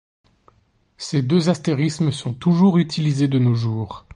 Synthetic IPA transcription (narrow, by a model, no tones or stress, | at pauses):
sed̪øzast̪eʁisməsɔ̃t̪uʒuʁyt̪ʰilized̪ənoʒuːʁ